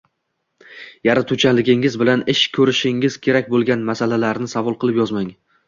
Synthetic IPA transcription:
jaɾat̪ʰut͡ʃʰanlɪɡʲɪŋɪzbɪlanɪʃkʲʰɵɾɪʃɪŋɪz̥kʲʰe̞ɾakʲbolˠɡʲanmasalalaɾnɪsavɒlˠqɨlˠɪpjɒzmaŋ

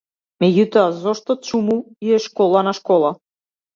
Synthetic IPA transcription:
mɛɟut̪ɔazɔʃt̪ɔt͡ʃumu | iɛʃkɔlˠanaʃkɔlˠa

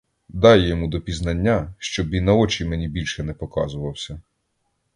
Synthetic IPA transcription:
d̪ɑjjɔmud̪ɔpʲiznɐnʲːaʃt͡ʃɔbʲinɐɔt͡ʃimɛnʲibʲilʲʃɛnɛpɔkɑ̰zʊʋɐwsʲɐ

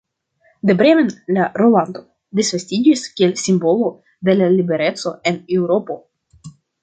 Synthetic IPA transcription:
d̪ebɾemenlaɾoland̪o̞ | d̪isfast̪id͡ʒiskʲielsimbo̞lo̞ | d̪e̞lalibe̞ɾe̞tt͡so̞enewɾo̞po̞

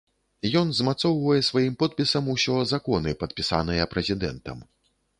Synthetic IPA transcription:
jɔnzmat̪sɔwvɐjɛsvajimpɔt̪̚pʲisɐmusʲɔzakɔnɨpɐt̪̚pʲisa̰nɨjɐpɾɛzʲid̪ɛ̰nt̪ɐ̰m

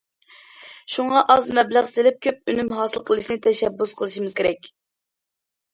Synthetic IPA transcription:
ʃuŋɑʔɑzmɛblæʁsɪlɪp̚kʲʰøp̚ynymɦɑːsɨlˠqʰəlˠɨʃnɪt̪ʰɛʃɛbːusqʰəlˠɨʃimɨz̥kʲʰeɾɛkʲ

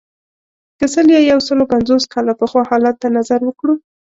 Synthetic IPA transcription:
kəsəljɑjawsəlokanzoskʰɑlapəxwɑhɑlat̪ːanazaɾwəkɽu

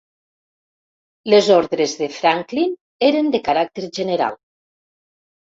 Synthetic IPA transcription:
lezoɾðɾezðefɾaŋklin | eɾend̪əkaɾak̚t̪eɾʒeneɾa̰lˠ

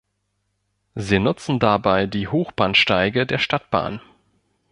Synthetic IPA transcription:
ziːnʊt͡sn̩dabaɪdiːhoːxb̥aːnʃtaɪɡədeːɐʃtat̚b̥a̰ːn

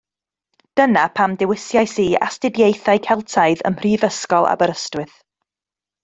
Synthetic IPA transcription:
d̥ənapʰamdɪwɪsjajsiːa̰stɪdjejθaɨkʰɛlˠtʰaɨðə̰mriːvəskɔlˠa̰bəɾəstwɪθ

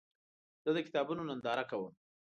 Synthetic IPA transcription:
z̥əd̪əkɪ̥t̪ɑbunonand̪ɑɾakawəm

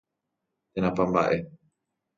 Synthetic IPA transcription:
t̪enãpamba̰ʔe

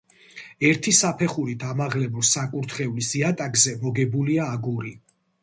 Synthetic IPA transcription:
ɛɾt̪ʰisapʰɛχuɾid̪amaʁlɛbɔsakʼuɾt̪ʰχɛulisiat̪ʼakzɛmɔɡɛbuliaːɡuɾi

